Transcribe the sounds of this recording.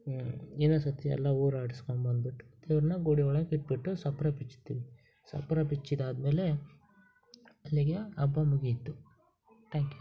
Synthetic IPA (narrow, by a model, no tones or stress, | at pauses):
inɐsɐt̪ɛ̰lːɐuːɾaːʈiskonbɐnd̪̚biʈːu̥d̪eːʋɐɾnɐɡoːɽioɭɐkiʈ̚biʈːusɐpɾapit͡ʃːi̥t̪ːḭʋi | sɐ̰pɾapit͡ʃːid̪aːd̪meːle | ɐlːiɡeɐbːamuɡit̪ːu | t̪ʰaːŋkju